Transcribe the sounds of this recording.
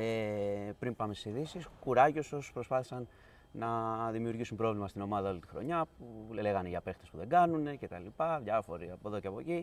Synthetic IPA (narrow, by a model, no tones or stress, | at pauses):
epɾimpɐmest̪i̥siðisiskuɾɐʝo̞so̞spɾo̞spɐθi̥sɐn | nɐðimiuɾʝisumbɾo̞vlimɐst̪ino̞mɐðɐo̞lit̪i̥xɾo̞̰ɲɐpule̞ɣɐneʝɐpe̞xt̪e̞spuðe̞ɡɐnune̞ce̞t̪ɐlipɐðʝɐfo̞ɾiɐpo̞ðo̞ceɐpo̞ci